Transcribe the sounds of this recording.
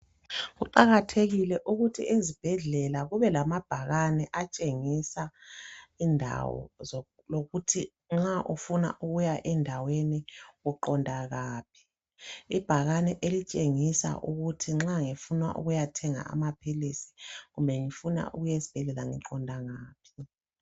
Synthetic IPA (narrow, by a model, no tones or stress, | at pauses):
ɣuǃaɣatʰeɣilɛʔuɣutʰḭezib̥ʱɛɮɛlaɣuβɛlamab̥ʱaɣanɛʔat͡ʃʼeŋisa | indʱa̰wɔ̰z | loɣutʰi | ŋ͡ǁaʔufuna̰ʔuɣujaʔɛndʱaweniɣuǃɔndʱaɣaːp̚ʰi̥ | ib̥ʱaɣanɛʔelit͡ʃʼeŋisa̰ʔuɣutʰiŋ͡ǁaŋifunwa̰ʔṵɣujatʰɛŋa̰a̰mapʰilisi̥ɣumbʱɛŋifuna̰ʔuɣujezi̥b̥ʱɛɮɛlaŋḭǃɔndʱaŋaːpʰi̥